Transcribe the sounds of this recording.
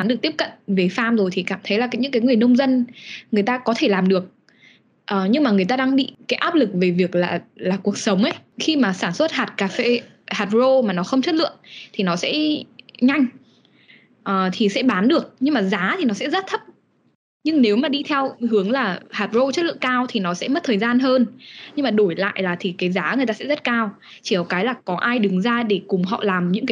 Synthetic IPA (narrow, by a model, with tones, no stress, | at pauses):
nɗɨ˨˩k̚ti˦˥p̚kə̰˧˨nve˨˩faː˧mzo˨˩jt̪ʰi˨˩kaː˧˩mt̪ʰə˨˦jlaː˨˩kaː˨˦jɲɨ̰˧˥kaː˨˦jŋɨ˨˩əjnə˧wŋ͡mzə˧nŋɨ˨˩əjt̪aː˧kɔ˨˦t̪ʰe˧˩laː˨˩mɗɨ˨˩ək̚ | ʔːɲɨ˧ŋmaː˨˩ŋɨ˨˩əjt̪aː˧ɗaː˧ŋɓḭ˧˨kaː˨˦jʔaː˦˥p̚lɨ˨˩k̚ve˨˩vi˨˩ək̚laː˨˩laː˨˩ku˨˩ək̚sə˨˦wŋ͡mʔə˨˦jxi˧maː˨˩saː˧˩nswə˦˥t̚ɦaː˨˩t̚kaː˨˩fḛ˧ | haː˨˩t̚zo˧maː˨˩nɔ˨˦xə˧wŋ͡mt͡ɕə˦˥t̚lɨ̰˧˨əŋt̪ʰi˨˩nɔ˨˦sɛ̰˧˥ɲa˧jŋ̟ | ʔəː˨˩t̪ʰi˨˩sɛ̰˧˥ɓaː˨˦nɗɨ˨˩ək̚ɲɨ˧ŋmaː˨˩zaː˨˦t̪ʰi˨˩nɔ˨˦sɛ̰˧˥zə˦˥t̚t̪ʰə˦˥p̚ | ɲɨ˧ŋne˨˦wmaː˨˩ɗi˧t̪ʰɛ˧whɨ˨˦əŋlaː˨˩haː˨˩t̚zo˧t͡ɕə˦˥t̚lɨ̰˧˨əŋkaː˧wt̪ʰi˨˩nɔ˨˦sɛ̰˧˥mə˦˥t̚t̪ʰəː˨˩jzaː˧nɦəː˧nɲɨ˧ŋmaː˨˩ɗo˧˩jla̰ː˧˨jlaː˨˩t̪ʰi˨˩kaː˨˦jzaː˨˦ŋɨ˨˩t̪aː˧sɛ̰˧˥zə˦˥t̚kaː˧w | t͡ɕi˧˩kɔ˨˩wkaː˨˦jlaː˨˩kɔ˨˦ʔaː˧jɗɨ˨˦ŋzaː˧ɗe˧˩kʊ˨˩ŋ͡mɦɔ̰˧˨laː˨˩mɲɨ̰˧˥ŋkaː˨˦